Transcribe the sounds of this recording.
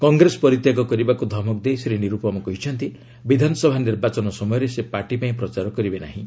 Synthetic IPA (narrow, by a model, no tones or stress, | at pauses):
kɔŋɡɾesɔ̥pɔɾit̪jaɡɔkɔɾibakud̪ʱɔmɔk̚d̪esiɾeniɾupɔmɔkɔɦit͡ʃʰɔnt̪i | bid̪ʱanɔsɔbʱaniɾbat͡ʃɔnɔsɔmɔjɔɾesepaʈipaĩpɾɔt͡ʃaɾɔkɔɾibena̰ɦĩ